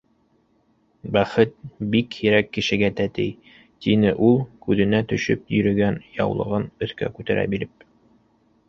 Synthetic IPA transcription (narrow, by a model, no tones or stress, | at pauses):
bæχɘt̪̚bikhiɾækːɘ̆ʃɘ̆ɡæt̪æt̪ɘj | t̪inɘʔulˠkʉðɘ̆næt̪ɵ̆ʃɵpjɵ̆ɾɵ̆ɡænjɑ̰wlˠɤ̰̆ʁɤnɵ̆θkæ̰kʉt̪æɾʔæ̰biɾɘp̚